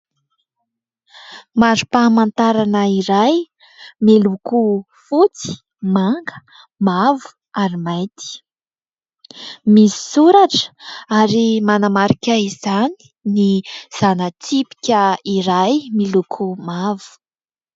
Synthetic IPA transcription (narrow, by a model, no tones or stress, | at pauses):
maɾu̥pamant̪aɾanəiɾaj | miluku | fut͡si̥ | maŋɡə̥ | mavu̥ | aɾimajt̪i̥ | misi̥suɾaʈ͡ʂə̥aɾimanamaɾikʲaizani̥niz̥anət͡sipi̥kʲəiɾajmilukʰumavu̥